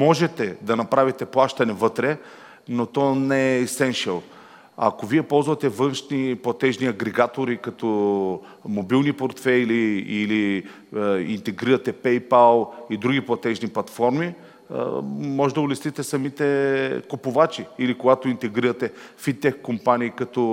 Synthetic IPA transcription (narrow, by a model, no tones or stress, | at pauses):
mɔʒɛt̪ɛd̪ɐnɐpɾavit̪ɛplˠaʃt̪ɐnɛvɤt̪ɾɛ | not̪ɔnɛsɛnʃɛlˠ | ɐ̰koviɛpɔlˠzvɐt̪ɛvɤnʃniplˠɐt̪ɛʒniɐɡɾɛɡat̪oɾikɐt̪ɔ | mobilˠnipoɾt̪fɛliili | ḭnt̪ɛɡɾiɾɐt̪ɛpɛjpalˠid̪ɾuɡʲiplˠɐt̪ɛʒniplˠɐt̪fɔɾmḭ | mɔʒɛd̪ɐʊlɛsit̪ɛsɐmit̪ɛkopovat͡ʃiːlikoɡat̪oint̪ɛɡɾiɾɐt̪ɛfit̪ɛkkːompaniːkɐt̪ɔ